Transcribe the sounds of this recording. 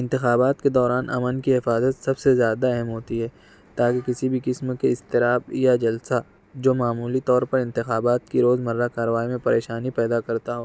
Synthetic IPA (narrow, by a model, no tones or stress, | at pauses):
ɪ̃nt̪ɪxaːbaːt̪ked̪ɔːɾaːnʔɐ̰mənkiɦɪfaːzət̪sɐbsezjaːd̪aɛɦɛmɦoːt̪iɦɛː | t̪aːkekɪsibʱikɪsmkeɪst̪ɪɾaːbjad͡ʒɐlsa | d͡ʒoːmaːmuːlit̪ɔːɾpɐɾɪ̃nt̪ɪxaːbaːt̪kiɾoːzmɐɾːakaːɾəʋaːimẽpɐɾeːʃaːnipɛːd̪akɐɾt̪aɦoː